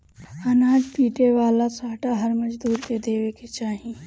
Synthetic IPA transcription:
ɐnaːd͡ʒpiːʈeʋaːlasaːʈaɦɐɾmɐd͡ʒd̪uːɾked̪eːʋeket͡ʃaːɦĩ

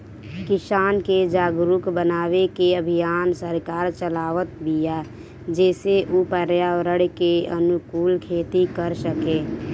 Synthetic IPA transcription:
kɪsaːnked͡ʒaːɡɾʊkbənaːʋekeəbʱijaːnsəɾkaːɾt͡ʃəlaːʋət̪̚bija | d͡ʒɛːseʔupəɾjaːɾəɽkeənʊkuːlkʰeːt̪ikəɾsəkeː

